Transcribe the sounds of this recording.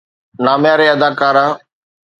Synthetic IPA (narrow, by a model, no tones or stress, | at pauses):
naːmjaːɾeːəd̪aːkaːɾãː